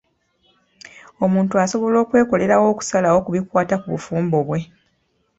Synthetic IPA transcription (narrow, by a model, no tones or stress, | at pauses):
o̞muːntuaso̞βo̞lo̞ːkwe̞ːko̞le̞ɾawo̞ːku̥salawokuβikwaːtakuβufuːmbo̞βwe̞